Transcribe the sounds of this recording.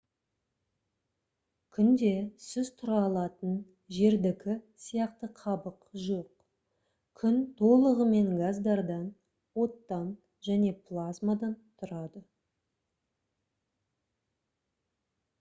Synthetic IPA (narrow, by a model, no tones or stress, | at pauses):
kʲʰʏnd̪e̞sʏzt̪ʰʊɾɑlˠɑt̪ən | ʒe̞ɾd̪ɪkʲʰɪsijɑqt̪əqʰɑbəqʒo̞q | kʲʰʏnt̪ʰo̞lˠəʁəme̞ŋɡazd̪ɑɾd̪ɑn | wo̞t̪ːɑn | ʒæne̞plˠazmad̪ɑnt̪ʰʊɾɑd̪ə